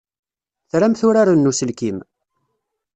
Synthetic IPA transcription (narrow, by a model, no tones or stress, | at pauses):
θɾæmθʊɾaɾanːusəlkim